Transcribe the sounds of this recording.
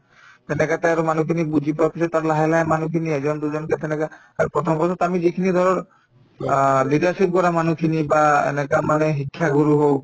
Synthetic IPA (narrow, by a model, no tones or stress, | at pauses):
t̪ɛnɛkat̪ɛaɹumanukʰinibud͡ʒʱipaapisɔt̚ːaɾlaɦɛlaemanukʰiniɛzɔnd̪ud͡ʒɔnkɛt̪ɛnɛka | apɹɔt̪ʰɔmbɔsʰɔt̪amizikʰinid̪ʱɔɹɔɹ | lidaɹsip̚kɔɹamanukʰinibaḛnɛkamanɛɦikʰːjaɡuɾuɦow